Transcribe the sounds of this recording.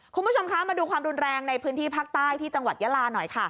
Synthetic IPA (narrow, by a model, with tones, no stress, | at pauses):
kʰu˧nmbu˦˥t͡ɕʰo˧mkʰa˦˥maː˧duː˧kʰwaː˧mɾu˧nɾɛː˧ŋna˧jpʰɯː˦˥nt̪ʰiː˥˩pʰaː˦˥˩k̚t̪aː˥˩jt̪ʰiː˥˩t͡ɕa˧ŋwa˨˩t̪̚ja˦˥laː˧nɔ˨˩jkʰa˥˩